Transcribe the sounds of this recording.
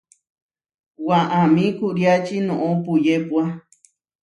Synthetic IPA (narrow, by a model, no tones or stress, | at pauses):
waʔãmĩkuɾjat͡ʃinõʔõpujepwa